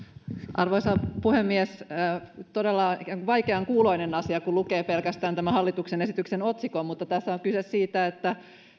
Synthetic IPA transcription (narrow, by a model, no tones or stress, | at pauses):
ʔɑrʋoisɑpuhemːies | t̪odelːɑʋɑjkeɑŋkuːlo̞inenɑsiɑkulukeːpelkæst̪æːnt̪æmæhɑlːit̪uksenesit̪yksenot̪sikommut̪ːɑt̪æsːæoŋkysessiːt̪æet̪ːæ